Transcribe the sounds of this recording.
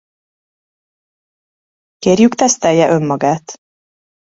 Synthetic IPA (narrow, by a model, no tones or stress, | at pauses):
keːrjykt̪ɛst̪ɛljɛʔø̞mːɒɡaːt̪